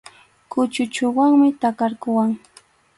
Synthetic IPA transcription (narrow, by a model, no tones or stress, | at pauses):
kʊt͡ʃʊt͡ʃʊwaŋmɪt̪akaɾkʊwaŋ